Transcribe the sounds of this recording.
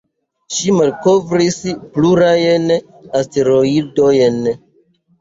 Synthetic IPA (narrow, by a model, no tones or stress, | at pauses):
ʃimalkovɾispluɾajen | asteɾoidojen